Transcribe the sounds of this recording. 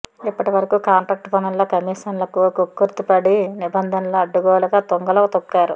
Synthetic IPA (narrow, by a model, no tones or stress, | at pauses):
ipːɐʈiʋɐɾɐkukaːɳʈɾaːk̚ʈpɐnɐlloːkɐmiːʂɐnlɐkukokːuɾt̪ipɐɽinibɐnd̪ʱɐnɐloːɐɖːuɡɔːlɐɡaːt̪oŋɡɐlɐkːt̪okːaːɾṵ